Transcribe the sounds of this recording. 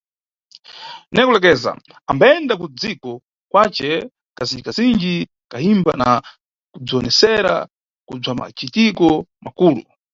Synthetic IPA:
nɛkulɛk̬ɛza̰ | ambaɛndakud͡zikɔ | kwat͡ʃɛ | kazind͡ʒikazind͡ʒi | kahimbana | kub͡ʐiɔnɛsɛɾa̰ | kub͡ʐama̰t͡ʃitikɔmakuːlṵ

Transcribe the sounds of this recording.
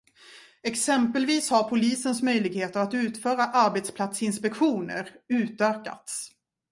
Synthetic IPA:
ɛksɛmpəlviːshaɾpʰʊliːsənsmœjlɪɡheːt̪əɾat̪ʉ̟ːt̪fœːɾaʔaɾbet̪spʰlat̪sɪnspɛkɧuːnə̰ɾʉ̟ːt̪œːka̰t̪s

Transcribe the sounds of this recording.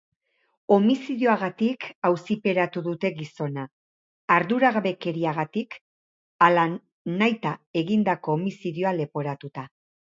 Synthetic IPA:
o̞misiðjoaɣat̪ikawsipe̞ɾat̪uðut̪e̞ɣiso̞naː | ɾðuɾaɣaβe̞ke̞ɾiaɣat̪ik | ala | najt̪ae̞ɣind̪ako̞ːmisiðjoale̞po̞ɾat̪ut̪a

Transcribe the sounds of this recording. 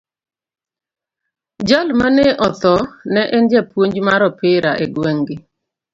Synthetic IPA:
d͡ʒalmaneʔɔt̪ɔnɛʔɪnd͡ʒɛpwoɲd͡ʒmaɾɔpɪɾaʔeɡweŋɡɪ

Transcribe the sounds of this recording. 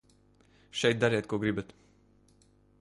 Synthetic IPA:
ʃɛjt̪̚d̪aɾɛːt̪̚kuɔɡɾibat̪

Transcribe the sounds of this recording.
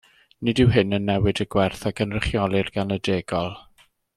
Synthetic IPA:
nɪdɪwɦɪnənːɛwɨdəɡwɛrθakʰənrəχjɔlˠɨrɡanədeːɡɔlˠ

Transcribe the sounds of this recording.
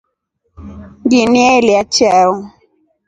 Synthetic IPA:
ŋɡinialiat͡ʃaɔ

